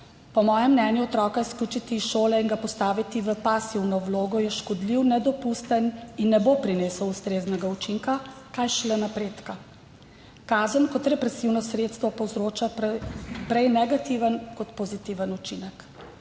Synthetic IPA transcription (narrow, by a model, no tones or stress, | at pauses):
pɔmɔːjɛmːnɛːnjuɔt̪ɾɔkaisklʲuːt͡ʃit̪iʃoːlɛinɡapɔst̪aːʋit̪iʋəpasiwnɔwloːɡɔjɛʃkɔd̪liwnɛd̪ɔpust̪əninːɛbopɾineːsɔwust̪ɾeːznɛɡaut͡ʃiŋkakajʃlɛnapɾeːt̪ka | kaːzənkɔt̪ɾɛpɾɛsiwnɔsɾeːt̪st̪ʋɔpɔwzɾoːt͡ʃa | pɾɛjnɛɡat̪iʋənkɔt̪pozit̪iʋənut͡ʃinək